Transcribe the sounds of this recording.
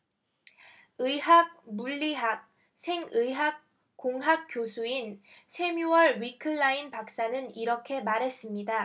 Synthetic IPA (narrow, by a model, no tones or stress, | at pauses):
ɯɦaɡ̚muʎːiɦak̚ | sʰe̞ŋɯjɦak̚ | k͈oŋɦak̚k͈josʰuinsʰe̞mjuwʌɭɥikʰɯɭːainpak̚s͈anɯniɾʌkʰe̞maɾɦe̞s͈ɯmɲida